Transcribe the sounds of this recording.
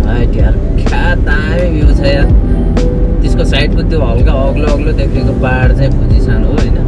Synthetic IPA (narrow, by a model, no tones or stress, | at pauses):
ajʈiaɾ | kʰat̪a | mẽbʱiut͡sʰʌja | t̪eskosajʈbud̪obʱʌlkaʌɡloʌɡlod̪ekʰnekopaɽt͡saĩpud͡zisanɦoɦojnʌ